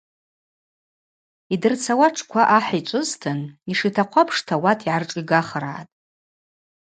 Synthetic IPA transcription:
idɨrt͡sʰawaʈ͡ʂʰkʷʰaʔaħit͡ʃʷʼʊztʰɨniʂitʰaqʷʰapʰʂtʰawatʰiʕarʈ͡ʂʼiɡaχɾa̰ːtʼ

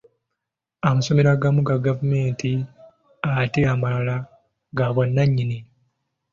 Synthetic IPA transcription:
amaso̞me̞ɾaɡamuɡaɡavume̞ːnti | ateamalala | ɡaβwanːaɲːini

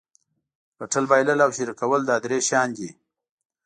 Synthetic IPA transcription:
kaʈəlbajləlawʃiɾikawəld̪ɑd̪ɾeʃjɑːnd̪i

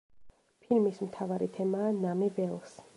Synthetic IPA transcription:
pʰilmismt̪ʰavaɾit̪ʰɛmaːnamɛbɛlˠs

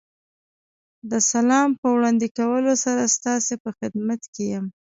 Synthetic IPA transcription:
d̪əsalɑmpəwɽɑnd̪ikawəlosaɾast̪ɑsepəxɪd̪mat̪kejəm

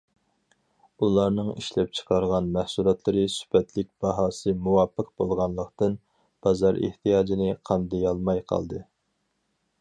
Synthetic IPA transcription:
ulˠɑɾnɨŋiʃlɛp̚t͡ʃʰə̥qʰɑɾʁɑnmæhsulˠɑt̪ʰlˠɨɾɨsy̥pɛt̪ʰlɪk̚ʲb̥ɑɦɑːsɨmuwɑːpʰːəqb̥olˠʁɑnlˠəqt̪ɨn | b̥ɑzɑɾḛht̪ʰijɑːd͡ʒinɪqʰɑnd̪ɪjɑlˠmɑjqʰɑ̰lˠd̪ɨ

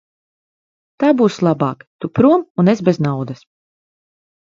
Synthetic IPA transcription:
t̪aːbuːslˠabaːkt̪upɾuɔmunezbɛznawd̪ɐs

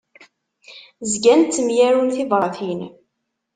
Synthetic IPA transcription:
zɡænt̪ːəmjæɾunθiðˤɾˤɑθin

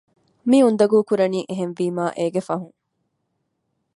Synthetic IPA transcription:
miund̪ɐɡuːkuɾɐniːʔeɦenʋiːmaːʔeːɡefɐɦuŋ

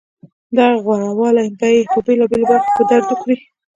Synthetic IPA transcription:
d̪ɑɣwaɽawɑlamb̪ajepəbelɑbelobaɾxpəd̪aɾd̪ukɾi

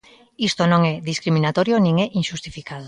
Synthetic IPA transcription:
ist̪onõŋɛðiskɾimĩnat̪oɾjonĩŋɛʔiŋʃust̪ifikaðo

